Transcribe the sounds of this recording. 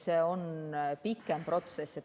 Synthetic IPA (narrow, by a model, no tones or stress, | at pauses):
seːo̞npikːˑemprʔo̞t̪sesːet̪